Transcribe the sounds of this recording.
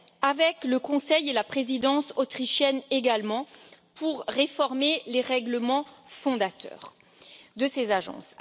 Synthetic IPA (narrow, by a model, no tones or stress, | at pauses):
avɛkləkɔ̃sɛjelapχezid̪ɑ̃sot̪χiʃjɛneɡalmɑ̃ | pʰuʁːefɔʁmeleʁɛɡləmɑ̃fɔ̃d̪at̪œ̰ːʁ | d̪əsezaʒɑ̰̃s